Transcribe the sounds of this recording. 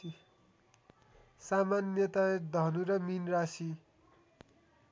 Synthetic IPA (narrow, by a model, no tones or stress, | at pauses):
samanjʌt̪aed̪ʱʌnuɾʌminrasi